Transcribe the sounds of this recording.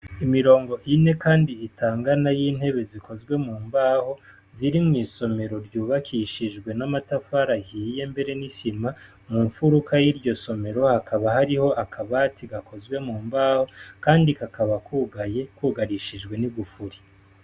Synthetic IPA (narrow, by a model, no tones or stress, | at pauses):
imiɾo̞ːŋɡo̞ʔine̞kaːndiːtʰaːŋɡanajiːn̥he̞βe̞ziko̞zɡwe̞muːmbaːho̞ | ziɾimŋiːso̞me̞ɾo̞ɾjuːβakʰiʃiʒɡwe̞namatafaɾahiːje̞mbe̞ɾe̞nisima | muɱfuɾukʰajiɾɟo̞so̞me̞ɾo̞hakʰaβahaɾiho̞ʔakʰaβatʰiɡako̞zwe̞muːmbaːho̞kaːndikakaβakuɡajekuːɡaɾiʃiʒɡwe̞niɡufuɾi